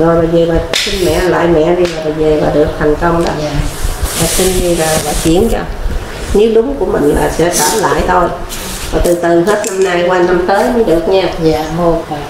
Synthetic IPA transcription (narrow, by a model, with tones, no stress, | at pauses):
zɔ˨˩jlaː˨˩ve˨˩vaː˨˩si˧ŋmɛ̰˧˨la̰ː˧˨jmɛ̰˧˨zi˧laː˨˩ɓaː˨˩ze˨˩vaː˨˩ɗɨ˨˩ək̚t̪ʰa˨˩jŋ̟kə˧wŋ͡mɗɔ̰ː˨˦ | vaː˨˩si˧nɗi˧vaː˨˩vaː˨˩t͡ɕi˧˩˦ənt͡ɕa̰˧ | ɲɨ˦˥ɗʊ˨˦ŋ͡mku˧˩əmï˨˩ŋ̟la̰ː˨˩sɛ̰˧˥t͡ɕaː˧˩la̰ː˧˨jt̪ʰo˧j | vaː˨˩t̪ɨ˨˩t̪ɨ˨˩ɦe˦˥t̚na˧mna˧jkwaː˧na˧mt̪əː˨˦jmʊ˨˦ɗɨ˨˩ək̚ɲaː˧˨˧